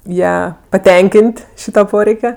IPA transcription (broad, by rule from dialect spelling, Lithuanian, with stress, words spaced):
ˈjæː pɐˈtʲɛŋʲkʲɪnʲtʲ ˈʃʲiːtɐ ˈpoːrʲɛɪkʲɛ